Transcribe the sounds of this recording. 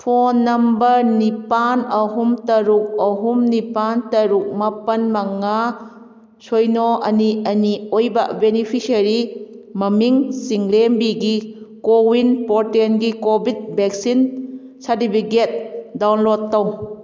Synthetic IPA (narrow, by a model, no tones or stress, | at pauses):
pʰonːɐmbɐɾnipanɐɦumtɐɾuk̚ɐɦumnipantɐɾuk̚mɐpɐnmɐŋa | sojnɔʔɐniɐniojbɐ̰benipʰisɐɾimɐmiŋsiŋlembiɡikowinpɔɾtenɡikobit̚bek̚sin | sadipʰiɡet̚dawnlɔtːaw